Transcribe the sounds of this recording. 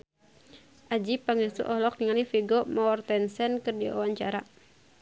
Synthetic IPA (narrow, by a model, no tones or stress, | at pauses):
ʔad͡ʒipaŋisṵʔɔɦlɔk̚niŋanifiɡɔmɔrt̪ɛnsɛnkɨrdia̰waɲt͡ʃaɾa